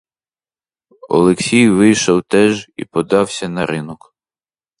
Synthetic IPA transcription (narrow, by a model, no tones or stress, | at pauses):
ɔ̰lˠeksʲijʋɪjʃɔwt̪ɛʒḭpɔd̪ɑwsʲɐnɐɾʔɪnɔk